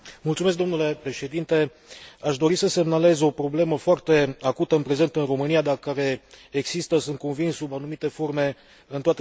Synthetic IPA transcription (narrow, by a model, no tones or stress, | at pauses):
multsumesk̚d̪o̞nule̞pɾe̞ʃe̞d̪int̪e̞ | aʃd̪o̞ɾisəse̞mnale̞zo̞pɾo̞ble̞məfoart̪e̞akut̪əɨnpɾe̞ze̞nt̪ɨnro̞mɨnijad̪akaɾe̞ːɡsist̪əsɨnt̪̚ko̞nvinssubanumit̪e̞fo̞rme̞ | ɨnt̪oat̪e